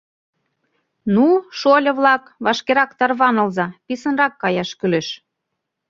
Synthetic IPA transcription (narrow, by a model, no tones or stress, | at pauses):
nuʃolʲɤ̆βlɑkβɑʃkeɾɑkt̪ɑrβɑnɤ̆lzɑpisənrɑkːɑjɑʃkyleʃ